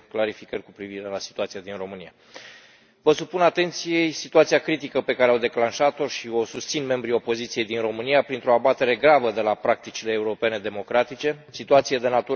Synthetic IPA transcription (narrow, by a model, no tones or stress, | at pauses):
klaɾifikərʲkupɾiviɾe̞lasit̪uat̪sijad̪inro̞mɨnija | vəsupunat̪e̞nt̪sije̞jsit̪uat̪siakɾit̪ikəpe̞kaɾeawd̪e̞klanʃat̪o̞ʃio̞sust̪sinme̞mbɾio̞po̞zit̪sije̞jd̪inro̞mɨnijapɾint̪ɾo̞abat̪e̞ɾe̞ɡɾavəd̪e̞lapɾak̚t̪it͡ʃileːuɾo̞pe̞ne̞d̪e̞mo̞kɾat̪it͡ʃe̞sit̪uat̪sijed̪e̞nat̪u